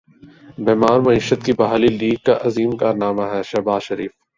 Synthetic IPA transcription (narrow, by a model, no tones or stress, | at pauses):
beɦmaːɾmɐiːʃət̪kibɐɦaːliliːɡ̚kaʔɐziːmkaːɾnaːmaɦɛːʃɐɦbaːzʃɐɾiːf